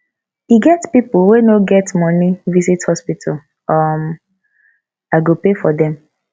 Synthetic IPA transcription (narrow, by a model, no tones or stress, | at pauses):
iɡɛtspipuwenoɡɛtmɔnivizithɔspitʰal | ɔm | aɪɡopefɔdɛ̃m